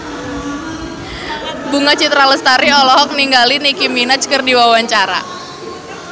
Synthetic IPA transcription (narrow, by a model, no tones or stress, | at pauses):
buŋat͡ʃit̪ɾaləst̪aɾiɔlɔɦɔk̚niŋɡalinikiminat͡ʃkərdiwawaɲt͡ʃaɾa̰